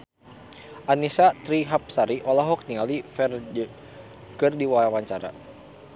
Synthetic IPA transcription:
ʔanisat̪ɾiɦap̚saɾiʔɔlaɦɔk̚nialifɛr | kɨrdiwajawaɲt͡ʃaɾa̰

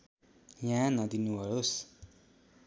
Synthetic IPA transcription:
jãnãd̪inuwaɾos

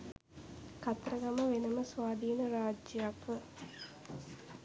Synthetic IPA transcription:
kɐt̪rɐɡɐməʋenɐməsʋaːd̪iːnɐɾaːd͡ʒjakʋə

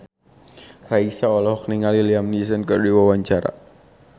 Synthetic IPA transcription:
raisaɔlɔhɔkniŋaliliamnis̬ənkərdiwawaɲt͡ʃaɾa̰

